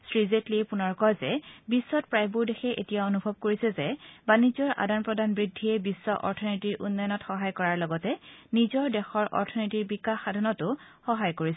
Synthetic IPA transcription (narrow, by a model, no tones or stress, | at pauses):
sɹizetlipʊnɔɹkɔjzɛbisːɔt̚pɹajbuɹdexɛʔḛtijaonubʱɔb̚koɹisɛzɛbanizɔɹʔa̰danpɹɔdanbɹidʱːiɛbisːɔʔɔ̰ɹtʰɔnitiɹʔṵnːɔjɔnɔtxɔɦajkɔɹaɹlɔɡɔtɛnizɔɹdɛxɔɹʔɔ̰ɹtʰɔnitiɹbikaxadʱanɔtʊ | xɔɦajkoɹisɛ